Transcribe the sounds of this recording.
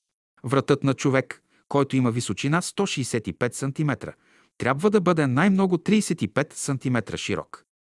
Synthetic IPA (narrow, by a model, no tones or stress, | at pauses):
vɾɐt̪ɤt̪nɐt͡ʃovɛkː | ɔjt̪oimɐvisot͡ʃinast̪ɔʃiːsɛt̪ipɛt̪sɐnt̪imɛt̪ɾə̰ | t̪ɾʲabvəd̪ɐbɤd̪ɛnajmnɔɡʊt̪ɾiːsɛt̪ipɛt̪sɐnt̪imɛt̪ɾə̰ʃiɾɔ̰k